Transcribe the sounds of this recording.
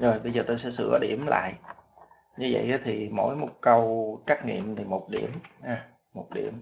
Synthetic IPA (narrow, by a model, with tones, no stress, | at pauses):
zo˨˩jɓə˧jzəː˨˩t̪o˧sɛ̰˧˥sɨ̰˧˩əɗi˧˩əmla̰ː˧˨jʔ | ɲɨ˧və̰˧˨jʔaː˨˦t̪ʰi˨˩mo̰˧˥jmo˨˩t̚kə˧wka˦˥k̚ŋḭ˧˨əmt̪ʰi˨˩mo˨˩t̚ɗḭ˧˩əmhaː˧˩ | o˨˩t̚ɗḭ˧˩əm